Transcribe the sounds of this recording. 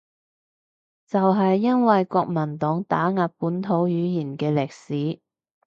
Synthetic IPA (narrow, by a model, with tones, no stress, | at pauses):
t͡sɐ˨wɦɐ˨jːɐ˥nwɐ˨jkʷɔː˧k̚mɐ˨˩nt̪ɔː˨˥ŋt̪aː˨˥ŋaː˨˧p̚puː˨˥nt̪ʰo˨˥wjyː˨˥jiː˨˩nkɛː˧lɪ˨k̚siː˨˥